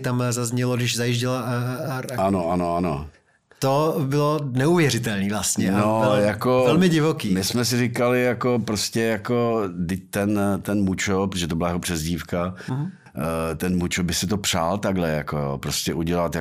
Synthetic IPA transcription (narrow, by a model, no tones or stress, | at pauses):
t̪amzazɲɛloɡdɪʃzajiʒɟɪlaɾano̞ʔano̞ano | t̪obɪlonɛuvjɛɾɪt̪ɛlniːvlast̪ɲɲɛnojakoɛlmɪɟɪvokiːmɪsmɛs̬ɪrikalɪjako̞pɾoscɛjako̞dɪc̚t̪ɛnt̪ɛnmut͡ʃop̬ɾot̪oʒɛt̪obɪlajakopr̝̥ɛzɟiːfka | t̪ɛnmut͡ʃobɪsɪt̪o̞pr̥a̰ːlt̪aɡlɛjakojo̰ːpɾo̞scɛʔuɟɛlat̪ja